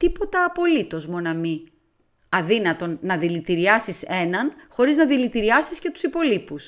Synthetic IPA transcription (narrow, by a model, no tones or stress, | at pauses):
t̪ipo̞t̪ɐːpo̞lit̪o̞zmo̞nɐmi | ɐðinɐt̪o̞nːɐðilit̪iɾiɐsise̞nɐnxo̞ɾiznɐðilit̪iɾiɐsisce̞t̪u̥sipo̞lipus